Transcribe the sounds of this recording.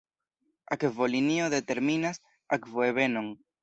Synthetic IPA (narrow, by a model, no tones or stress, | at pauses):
akevolinioðet̪eɾminas | akvoeβenoŋ